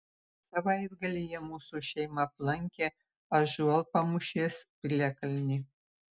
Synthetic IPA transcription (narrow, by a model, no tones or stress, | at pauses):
sɑβɑjirɡɘ̆lʲijemusuɕejmɑplˠɑŋʲkʲe | ɑʒuɑlˠpɑmuɕespʲilʲækʲɘ̆lʲnʲi